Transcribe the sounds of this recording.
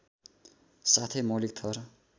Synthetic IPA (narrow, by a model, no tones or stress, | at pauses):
sat̪ʰemolik̚t̪ʰʌr